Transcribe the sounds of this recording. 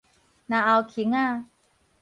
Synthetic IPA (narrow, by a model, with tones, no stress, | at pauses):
na˧ʔa˧wkʰi˨˦ŋa˥˧